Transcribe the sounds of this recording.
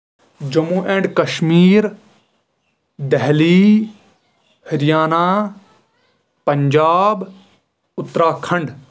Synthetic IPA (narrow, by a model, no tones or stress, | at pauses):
d͡ʒɐmuːʔẽːɳɖkɐʃmiːɾ | d̪ɛɦliː | hɪɾjaːnaː | pɐɲd͡ʒaːb | ʊt̪ːɾaːkʰɐ̃ɳɖ